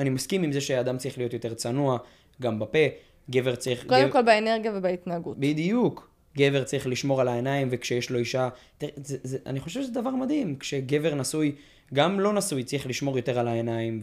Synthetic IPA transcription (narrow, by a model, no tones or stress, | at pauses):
animaskimimzeʃead̪amt͡sʁiχlijo̞t̪jo̞t̪e̞ʁt͡sanua | ɡambape̞ | ɡe̞ve̞ʁt͡sʁiχod̪emkolbeeneʁɡjavebait̪naːɡubid̪ijuk | ɡe̞ve̞ʁt͡sʁiχliʃmo̞ʁalaenaimvekʃejeʃlo̞iʃatzezeʔa̰niχo̞ʃev̥ʃezed̪avaʁmad̪himkʃe̞ɡe̞veʁnasuj | ɡamlo̞nasujt͡sʁiχliʃmo̞ʁjo̞t̪e̞ʁalaenaim